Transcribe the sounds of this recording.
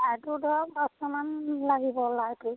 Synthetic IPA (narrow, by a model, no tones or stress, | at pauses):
atʊdɔɹaɡɔstɔmanlaɡibɔlajtʊ